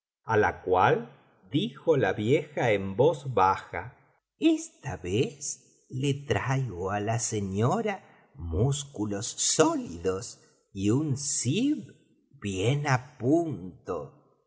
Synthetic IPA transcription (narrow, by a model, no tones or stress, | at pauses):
ala̰kwal | d̪ixolaβjexaembozβaxa̰ | est̪aβes | let̪ɾajɣoalaseɲoɾa | muskulo̞sːoliðos | iunsiβ | bjenapunt̪o